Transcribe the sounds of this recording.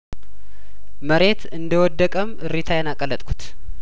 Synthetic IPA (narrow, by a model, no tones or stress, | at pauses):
məɾe̞t̪ɨnd̪əwɔd̪ːəkʼəmɨɾit̪ʰajɛnakʼəlːət̪ʼkʰu̥t̪